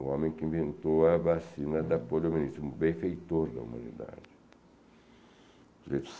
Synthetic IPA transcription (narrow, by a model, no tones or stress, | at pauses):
uɔ̃mẽj̃kɪĩɱvẽnt̪oɐbasĩnɐd̪ɐpolominist̪ɾubẽfejt̪oɾd̪ɐ̰ṵma̰nḭd̪a̰d͡ʒɪ | zet̪s